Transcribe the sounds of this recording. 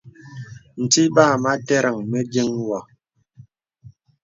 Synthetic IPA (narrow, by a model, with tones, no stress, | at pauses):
n̩˨ti˦ba˦˨ma˦tɛ˦ɾa˨ŋme˦d͡ʒi˦ŋwa˨